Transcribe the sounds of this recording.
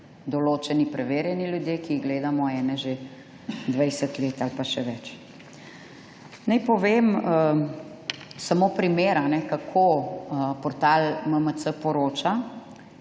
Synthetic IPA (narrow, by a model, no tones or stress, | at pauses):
d̪ɔloːt͡ʃɛnipɾɛʋeːɾjɛniljud̪jeːkiːɣɡleːd̪amɔɛːnɛʒe | d̪ʋajsɛt̪leːt̪alpaʃɛʋɛt͡ʃ | najpɔʋemə | samoːpɾimeːɾanɛkakʰo | pɔɾt̪alməməsəpɔɾoːt͡ʃa